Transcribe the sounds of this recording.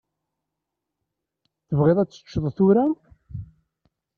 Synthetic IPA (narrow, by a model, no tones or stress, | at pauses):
θəvʁeðˤæt͡sːə̥t͡ʃːðˤθʊɾæ